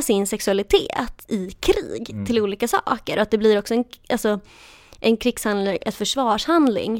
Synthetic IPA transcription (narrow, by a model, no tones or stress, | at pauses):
sɪnsɛksɵalɪt̪ʰḛːt̪ɪkʰɾḭːɡt̪ʰɪluːliːkasɑ̰ːkəɾɔat̪̚d̪ɛblɪɾɔksɔɛnʔalsɔ | ʔɛnkʰɾɪkshand̪lɪŋʔɛt̪fœʂvɑːʂhand̪lɪ̰ŋ